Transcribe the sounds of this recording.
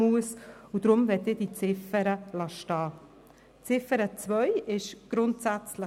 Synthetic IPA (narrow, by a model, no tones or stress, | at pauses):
uəsud̥̪ɾʊmvɛtːɪːd̥it͡sɪfəɾəlɑʃtɑː | t͡sɪfəɾət͡svœjɪʃɡ̥ɾʊntsæt͡slə